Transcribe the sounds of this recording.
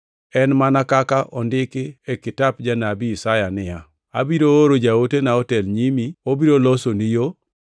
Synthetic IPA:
ɛnmanakakaʔɔndɪkɪekɪtap̚d͡ʒanabiːsajanɪja | a̰biɾooɾod͡ʒaotenaɔtɛlɲimiobiɾolosonijo

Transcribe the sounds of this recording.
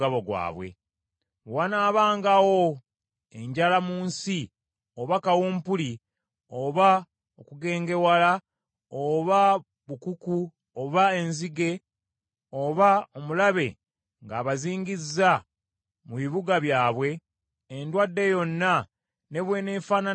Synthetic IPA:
aβo̞ɡwa̰ːβwe̞̰ | wanaːβaːŋɡawo̞ | e̞ɲɟalamuːnsi | oβakawuːmpuli | oβa | okuɡe̞ːŋɡe̞wala | oβa | βukuku | oβae̞nziɡe̞ | o̞βao̞mulaβe̞̰ | ŋɡaːβaziːɲɡizːa | muβiβuɡaβjaːβwe̞ː | ndwadːe̞jo̞nːa | ne̞βwe̞ːne̞ːfaːna

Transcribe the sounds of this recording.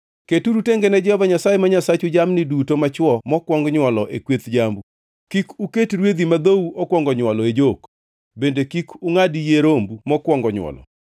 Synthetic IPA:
ketuɾuteŋɡenɛd͡ʒɛhɔvaɲasajemaɲasat͡ʃud͡ʒamnidutomat͡ʃwɔmɔkwɔŋɡɲwɔlɔʔekwet̪d͡ʒambu | kikuketɾwed̪imad̪ouokwɔŋɡɔɲwɔlɔed͡ʒok | bendekikuŋadijeɾombumɔkwɔŋɡɔɲwɔ̰lɔ̰

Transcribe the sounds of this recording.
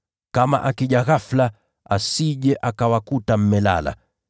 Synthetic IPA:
kama̰ʔakiʄaɣafla | asiʄɛʔakawakutam̩mɛla̰la̰

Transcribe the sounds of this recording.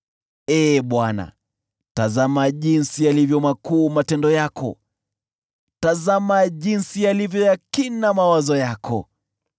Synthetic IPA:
ɛːɓwana̰ | tazamaʄinsialivjɔmakuːmatɛndɔjakʰɔ̰ | tazamaʄinsialivjɔjakinamawazɔjakʰɔ̰

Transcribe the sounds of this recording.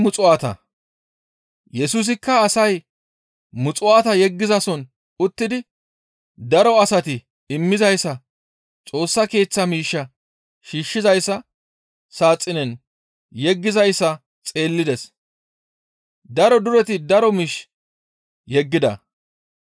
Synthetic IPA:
mʊt͡sʼʊaːt̪ɐ̰ | jɛsuːs̬ɪkːɐːsɐj | mʊt͡sʼʊaːt̪ɐjɛɡːɪzɐsɔn | ʊt̪ːɪd̪ɪ | d̪ɐɾɔɐsɐt̪ɪ | ɪmːɪzɐjsːɐ | t͡sʼo̞ːsːɐke̞ːt͡sːɐmiːʃːɐ | ʃiːʃːɪzɐjsːɐ | saːt͡sʼːɪnɛn | jɛɡːɪzɐjsːɐ | t͡sʼe̞ːlːɪd̪ɛs | d̪ɐɾɔd̪ʊɾɛt̪ɪd̪ɐɾɔmiːʃ | jɛɡːɪd̪ɐ̰

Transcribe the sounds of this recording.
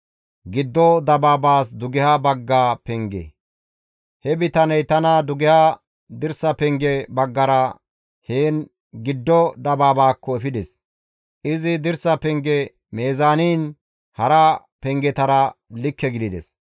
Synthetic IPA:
ɡɪd̪ːɔd̪ɐbaːbaːsd̪ʊɡɪhɐbɐɡːaːpɛŋɡḛ | hɛbɪt̪ɐnɛjt̪ɐnɐd̪ʊɡɪha | d̪ɪɾsɐpɛŋɡɛbɐɡːɐɾɐ | heːn | ɡɪd̪ːɔd̪ɐbaːbaːkːɔɛfɪd̪ɛs | ʔɪzɪd̪ɪɾsɐpɛŋɡɛ | meːzaːniːn | hɐɾɐ | pɛŋɡɛt̪ɐɾɐlɪkːɛɡɪd̪ɪd̪ɛ̰s

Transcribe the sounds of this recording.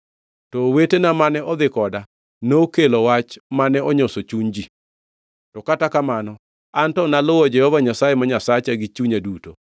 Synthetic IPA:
tɔwetenamanɛʔɔd̪ɪkɔda | nokelowat͡ʃmanɛɔɲosot͡ʃuɲd͡ʒi | tɔkatakamanɔ | antɔnalʊwɔd͡ʒɛhɔvaɲasajemaɲasat͡ʃaɡɪt͡ʃuɲaduto

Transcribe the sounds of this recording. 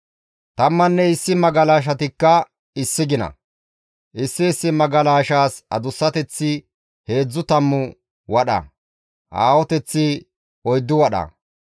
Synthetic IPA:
t̪ɐmːɐnːɛɪsːɪmɐɡɐlaːʃ̬ɐt̪ɪkːɐ | ɪsːɪɡɪnɐ̰ | ʔɪsːɪːsːɪmɐɡɐlaːʃaːsɐ̰d̪ʊsːɐt̪ɛt͡sːɪ | he̞ːd͡zːʊt̪ɐmːʊ | wɐɗɐ̰ | ʔa̰ːwɔt̪ɛt͡sːɪ | ɔjd̪ːʊwɐɗɐ̰

